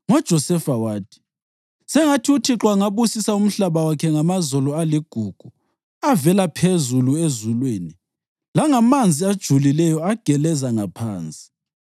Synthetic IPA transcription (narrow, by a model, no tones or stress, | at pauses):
ŋɔd̥ʒ̥ʱɔsɛfawaːtʰʼi̥ | sɛŋatʰiutʰiǁwaŋaβusisaum̩ɬaβawakʰɛŋamazɔlɔaliɡ̥ʱuɡ̥ʱu | avɛlapʰezuluezulweːni | laŋamand͡zʱiad̥ʒ̥ʱulilɛjɔaɡ̥ʱɛlɛzaŋapʰa̰ːnt͡sʼi̥